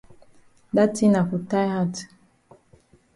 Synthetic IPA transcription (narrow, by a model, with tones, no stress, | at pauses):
da˦ti˦na˨ku˨ta˦jha˦˨t